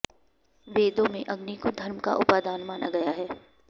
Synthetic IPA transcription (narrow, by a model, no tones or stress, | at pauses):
ʋeːd̪õmẽʔɐɡnikod̪ʱɐɾmka̰ʔʊpaːd̪aːnmaːna̰ɡɐjaɦɛː